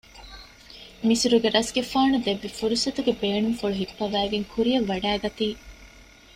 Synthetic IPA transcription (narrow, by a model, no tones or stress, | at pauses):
misuɾuɡeɾɐsɡefaːnud̪eʋːifuɾusɐt̪uɡebeːnumfuɭuɦipːɐʋæːɡeŋkʰuɾiɐʋːɐɖæːɡɐt̪iː